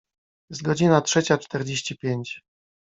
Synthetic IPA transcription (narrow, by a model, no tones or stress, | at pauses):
zɡɔd͡ʑinatʂɛt͡ɕat͡ʂt̪ɛɾd͡ʑeɕt͡ɕipʲjeɲt͡ɕ